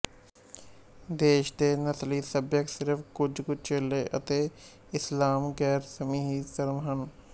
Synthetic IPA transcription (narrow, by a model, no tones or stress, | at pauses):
d̪eːʃt̪eːnəsliːsəbjəksɪɾfkʊd͡ʒkʊt͡ʃeːleʔə̰t̪e | ɪslaːmɡɛːɾsəmiːɦisɐɾmɦən